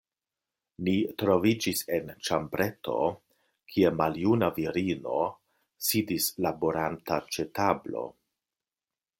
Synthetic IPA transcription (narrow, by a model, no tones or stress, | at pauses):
nitɾo̞vid͡ʒise̞nt͡ʃambɾe̞tʰo̞̰ | kʰiemaljunaviɾino̞̰ | sidislaboɾantat͡ʃe̞tablo̞̰